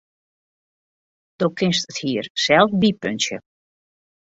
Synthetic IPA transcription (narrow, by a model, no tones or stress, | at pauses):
d̥oːkʰɪnstəthiərsɛlˠfbipønsjə̰